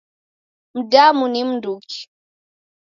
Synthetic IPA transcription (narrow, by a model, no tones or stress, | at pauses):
m̩damunim̩nduki̥